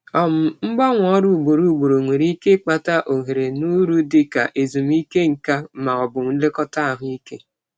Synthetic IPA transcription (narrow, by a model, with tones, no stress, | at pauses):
ɔ˨m̩˨ŋ͡m̩˦ɡ͡bɔ˦ŋʷ˨ɔ˦ɾʊ˦˨u˨ɡ͡bo˨ɾu˦˨ɡ͡bo˨ɾo˨ŋʷe˨ɾi˦ke˦k͡pa˨ta˦ʔo˨ɦe˨ɾe˨nu˦ɾu˦dɪ˦ka˨ʔe˨zu˨m˦i˦ke˦ŋ̩˨ka˦ma˨ɔ˨bʊ˨m˦n̩˦le˦kɔ˦ta˦a˨ɦʊ˦i˦ke˦